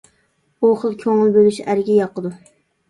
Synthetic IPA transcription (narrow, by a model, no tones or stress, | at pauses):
uχəlˠkʲʰøŋɨlˠbølyʃæɾɡʲɛjɑqəd̪u